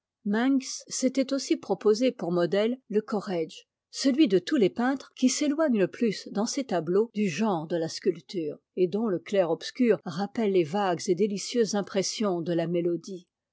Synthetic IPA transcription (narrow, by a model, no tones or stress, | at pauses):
mɛ̃ŋksːɛt̪ɛt̪osipχɔpozepuʁmɔd̪ɛlːəkɔʁɛʒ | səlɥid̪ət̪ulepɛ̃t̪χkʲiselwaɲləplysd̪ɑ̃set̪ablod̪yʒɑ̃ʁd̪əlaskʲylt̪ʰyːʁ | ed̪ɔ̃ləklɛʁɔpskʲyʁʁapɛlːevaɡzed̪elisjøzːɛ̃pχɛsjɔ̃d̪əlamelɔd̪i